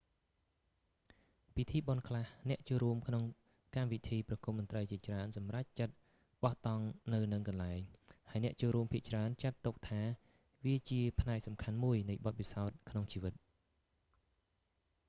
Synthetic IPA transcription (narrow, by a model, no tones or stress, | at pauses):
pit̪ʰiːɓonkʰlahnɛ̆əʔt͡ɕoːlɾuəmkʰnoŋ | kamʋit̪ʰiːprɑkumʊnt̪rəjt͡ɕiət͡ɕraənsɑmrac̚t͡ɕət̪̚ | ɓɑht̪ɑŋnɨwnɨŋkɑnlaɛŋhaəjnɛ̆əʔt͡ɕoːlɾuəmpʰiəʔt͡ɕraənt͡ɕat̪ːuk̚t̪ʰaː | ʋiət͡ɕiəpʰnaɛk̚sɑmkʰanmuəjnɨjɓɑt̪̚pisaɔt̪̚kʰnoŋt͡ɕiːʋɨt̪̚